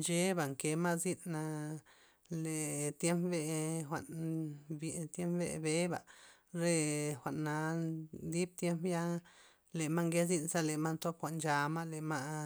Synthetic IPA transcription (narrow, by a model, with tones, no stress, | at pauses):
nt͡ʃe˦ba˨ŋke˧˦ma˦zi˦nna˧ | le˨t̪je˦mpbe˧xʷa̰˨ʔnbt̪je˦mpbḛ˧˨be˦ba̰˨ | ɾe˧xʷa˨ʔnːa˧d̪i˦b̚t̪je˦mpja˦ | le˨ma˦ŋɡe˦zi˦nsa˦le˨ma˦nt̪o˦pxʷa˨ʔnd͡ʒa˧ma˦le˨ma˦